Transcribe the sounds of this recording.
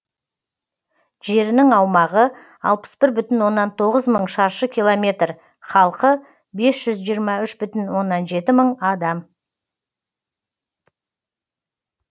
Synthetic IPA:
ʒe̞ɾɪnɪŋɑwmɑʁə | ɑ̰lˠpə̥sbɪɾbʏt̪ɪnwo̞nːɑnt̪ʰo̞ʁəzməɴʃɑɾʃəkʲʰilˠomʲe̞t̪r | χɑlˠqə | be̞sʒ̥ʏzʒijəɾmɑʏʃbʏt̪ɪnwo̞nːɑnʒe̞t̪ɪməɴɑd̪ɑm

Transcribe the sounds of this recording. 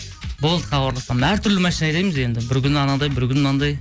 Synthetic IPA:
bolˠd̪əχɑbɑɾlˠɑsɑmhæɾt̪ʰʏɾlɪmæʃɪnɑjlɑjmɪze̞nd̪ɪbɪɾkʲʏnɑnɑd̪ɑjbɪɾkʲʏnɑnd̪ɑj

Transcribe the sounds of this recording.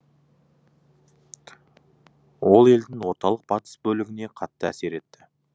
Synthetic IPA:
wo̞lˠe̞ld̪ɪŋwo̞ɾt̪ɑlˠəq̚bɑt̪ə̥sbɵlɪɡʲɪne̞qʰɑt̪ːəæ̰se̞ɾe̞t̪ːɪ

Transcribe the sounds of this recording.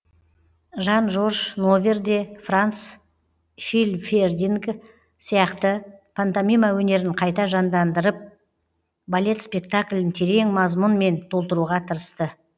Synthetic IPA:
ʒɑnʒo̞rʒno̞vʲerd̪e̞frant̪s | filʲferd̪ʲiŋk | sijɑqt̪əpʰant̪amʲijmawɵne̞ɾɪɴqʰɑjt̪ɑʒɑnd̪ɑnd̪əɾəp̚ | balʲe̞t̪spʲe̞k̚t̪aklʲɪnt̪ʰe̞ɾe̞ŋmɑzmʊnme̞nt̪ʰo̞lˠt̪əɾuʁɑt̪ʰəɾəst̪ə

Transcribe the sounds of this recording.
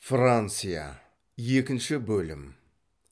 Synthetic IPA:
frant̪sɨja̰ | je̞kʲɪnʃɪbɵlɪ̰m

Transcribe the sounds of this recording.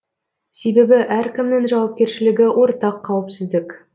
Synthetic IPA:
se̞jbe̞bɪʔæɾkʲʰɪmnɪŋʒɑwɑp̚kʲe̞ɾʃɪlɪɡʲɪwʔo̞ɾt̪ɑqʰːɑwəpsɪzd̪ɪk

